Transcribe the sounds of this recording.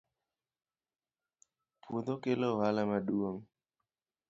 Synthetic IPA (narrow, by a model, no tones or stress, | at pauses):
pud̪okelɔɦalamaɗuoŋ